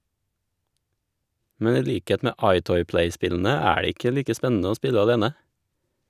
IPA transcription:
ˈmɛn ˈiː ˈʎiːkeːt ˈmeː ˈɑɪˌtɔʏ ˈplæɪˌspɪʎn̩ə ˈæː ˈɖeː ˈɪkə ˈʎiːkə ˈspɛnn̩ə ˈoː ˈspɪʎə ɑˈʎeːnə

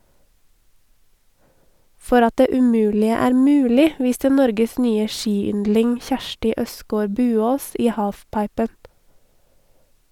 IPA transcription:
ˈfɔɾ ˈɑt ˈdeː ʉˈmʉːlɪə ˈæːɾ ˈmʉːlɪ ˈʋiːstə ˈnɔɾɡəs ˈnyːə ˈʃiːˌʏndlɪŋ ˈçæʃʈɪ ˈʔœskoːɾ ˈbʉːoːs ˈiː ˈhɑːfˌpɑɪpən

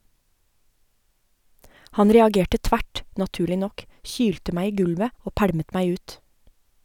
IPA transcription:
ˈhɑn ɾɛɑˈɡeːʈə ˈtʋæʈ nɑˈtʉːɭɪ ˈnɔk ˈçyːltə ˈmæ ˈiː ˈɡʉlʋə ˈoː ˈpæɽmət ˈmæɪ ˈʉːt

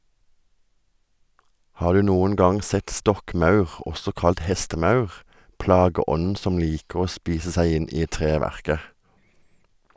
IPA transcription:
ˈhɑː ˈɖʉː ˈnuːən ˈɡɑŋ ˈsɛt ˈstɔkˌmɑʉʁ ˈʔɔsɔ ˈkɑlt ˈhɛstəˌmɑʉʁ ˈplɑːɡəˌɔnn̩ ˈsɔm ˈliːkəʁ ˈoː ˈspiːsə ˈsæɪ ˈɪn ˈiː ˈtʁeːʋæʁkə

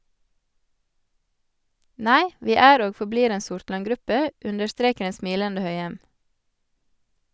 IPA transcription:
ˈnæɪ ˈʋiː ˈæːɾ ˈoːɡ fɔˈbliːɾ ˈeːn ˈsʊɾtlɑŋˌɡɾʉpə ˈʉndəɾˌstɾeːkəɾ ˈeːn ˈsmiːləndə ˈhœʏɛm

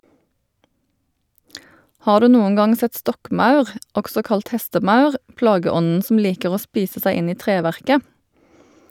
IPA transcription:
ˈhɑːʁ ˈdʉː ˈnuːʊŋ ˈɡɑŋ ˈsɛt ˈstɔkˌmɑʉʁ ˈɔksɔ ˈkɑlt ˈhɛstəˌmɑʉʁ ˈplɑːɡəˌɔnn̩ sm̩ ˈliːkəʁ ˈoː ˈspiːsə ˈsæɪ ˈɪn ˈiː ˈtʁeːˌʋæʁkə

